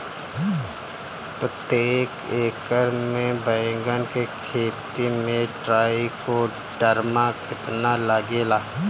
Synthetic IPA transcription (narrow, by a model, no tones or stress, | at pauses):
pɾət̪eːkeːkəɾmẽbə̃ːɡənkekʰeːt̪imẽɖɾaːiko | ɖəɾmakɪt̪nalaɡeːlaː